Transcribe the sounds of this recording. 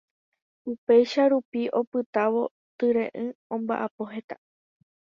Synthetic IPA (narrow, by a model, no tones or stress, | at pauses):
upe̞jʃaɾupiʔo̞pɨt̪aʋo̞ | t̪ɨɾẽ̞̰ʔɨ̃õ̞mba̰ʔapo̞ɦe̞t̪a